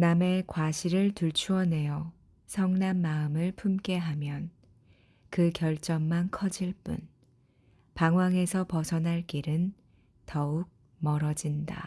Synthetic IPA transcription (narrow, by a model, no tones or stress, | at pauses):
name̞kwaɕʰiɾɯɭtuɭt͡ɕʰuʌne̞jʌ | sʰʌŋnanmaɯmɯɭpʰumk͈e̞ɦamjʌn | kɯkjʌɭt͡ɕ͈ʌŋmankʰʌd͡ʑiɭp͈ṵn | paŋɦwaŋe̞sʰʌpʌsʰʌnɦaɭk͈iɾɯn | tʌuk̚ | mʌɾʌd͡ʑinda̰